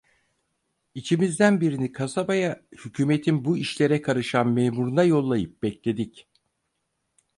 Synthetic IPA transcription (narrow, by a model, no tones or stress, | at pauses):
it͡ʃʰimizd̪ænbiɾinikʰasabajahycʰyːme̞t̪ʰinbuiʃlʲe̞ɾɛkʰaɾɯʃanmeːmuɾunajo̞lˠːajɯp̚b̥ɛclʲe̞d̪ic